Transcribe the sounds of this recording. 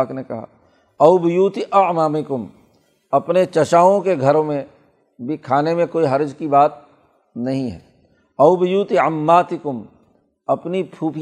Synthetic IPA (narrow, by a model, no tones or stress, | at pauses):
knekɐɦa̰ː | ɐʊbɪjuːt̪iʔɐʕmaːmɪkʊm | ɐpnet͡ʃɐʃaːõkeɡʱɐɾõmẽ | bʱikʰaːnemẽkoːiɦɐɾd͡ʒkibaːt̪̚ | nɐɦĩɦɛ̰ː | ɐʊbɪjuːt̪iəmːaːt̪ɪkʊm | ɐpnipʰuːpʰ